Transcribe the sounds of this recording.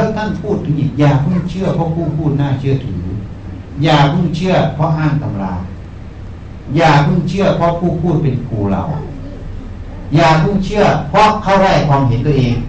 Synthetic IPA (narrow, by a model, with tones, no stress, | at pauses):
ɯ˧˥˨t̪ʰa˧˥˩npʰuː˥˩t̪ʰːɯ˧˥ɲi˧˩t̚jaː˨˩kʰɯ˧˥˩ŋt͡ɕʰɯ˥˩ɐpʰɔ˦˧˥pʰuː˧˥˩pʰuː˥˩t̪̚naː˧˥˩t͡ɕʰɯ˧˥˩ɐt̪ʰɯː˨˩˦ | jaː˨˩kʰu˧˥˩ŋt͡ɕʰɯ˧˥˩ɐpʰɔ˦˥ɦaː˧˥˩nka˧˦m˧ɾa̰ː˧ | jaː˨˩t̪ʰɯ˧˥˩ŋt͡ɕʰɯ˥˩ɐpʰɔ˧˥˨pʰuː˧˥˩pʰuː˥˩t̪̚pe˨nkʰuː˧la̰˧˩wʔa̰˨˩ | jaː˨˩k̪ʰu˧˥˩ŋt͡ɕʰɯ˥˩ɐpʰɔ˦˥kʰa˧˥˩wɾa˧˩jkʰwaː˧mhe˨˦nt̪u˧˩ɐʔeː˨˧ŋ